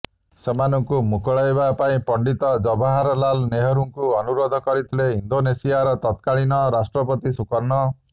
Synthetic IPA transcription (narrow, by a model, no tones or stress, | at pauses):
semanɔŋkumukɔɭajbapaĩpɔɳɖit̪ɔd͡ʒɔbʱaɦaɾɔlalneɦɔɾuŋkuɔnuɾɔd̪ʱɔkɔɾit̪ʰileind̪onesiaɾɔt̪ɔt̪kaɭinɔɾasʈɾɔpɔt̪isukɔɾnɔ